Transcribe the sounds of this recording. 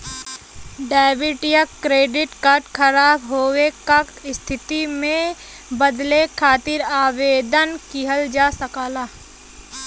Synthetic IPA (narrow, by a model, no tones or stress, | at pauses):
ɖaːɪʋɪʈɪjəkkɾeːɖɪʈkaːɾʈkʰəɾaːbɦoːwekakɪst̪ʰɪt̪imẽ | bəd̪lekʰaːt̪ɪɾaːʋeːd̪ənkiɦəld͡ʒaːsəkaːlaː